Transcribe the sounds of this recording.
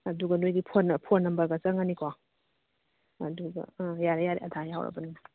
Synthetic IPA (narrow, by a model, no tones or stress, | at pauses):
ɐduɡɐnojɡipʰonɐpʰonːɐmbɐɾɡɐt͡ʃɐŋanikʰwa | ɐduɡɐ̰jaɾejaɾeɐdʱajawɾɐ̰bɐnuna